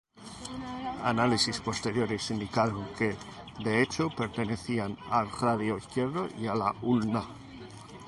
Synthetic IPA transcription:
a̰nalisispo̞st̪e̞ɾjo̞ɾisind̪ikaɾoŋke | d̪e̞et͡ʃo̞pe̞ɾt̪e̞ne̞θianalraðjoiθkje̞ɾðoʔialaulna

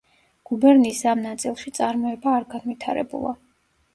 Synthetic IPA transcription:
ɡ̥ubɛɾnisamnat̪sʼilˠʃit̪sʼaɾmɔɛbaːɾɡanvit̪ʰaɾɛ̰bṵlˠa̰

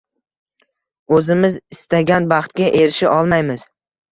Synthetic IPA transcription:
ɵzɪmɪzɪst̪aɡʲanbɑχt̪ɡʲaʔeɾɪʃɪʔɒlˠmajmɪz̥

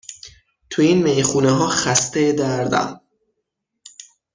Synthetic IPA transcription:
t̪ʰuiːnmejxuːneɦɒːxæst̪ed̪æɾd̪æ̰m

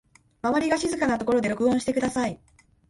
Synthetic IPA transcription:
maβaɾʲiɡaɕizɨkanat̪o̞ko̞ɾo̞d̪e̞ɾo̞kɯ̟õɕi̥t̪e̞kɯ̟d̪asai

